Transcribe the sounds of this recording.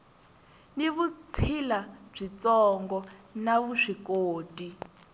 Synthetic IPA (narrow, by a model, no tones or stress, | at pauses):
niβut͡sʰilab͡ʐit͡sɔŋɡɔnaβuʂikoːtʼi